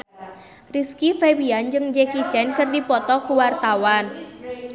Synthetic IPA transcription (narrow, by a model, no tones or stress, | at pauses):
riskifewiand͡ʒɨŋd͡ʒɛkit͡ʃɛnkɨrdipɔt̪ɔkuwart̪awan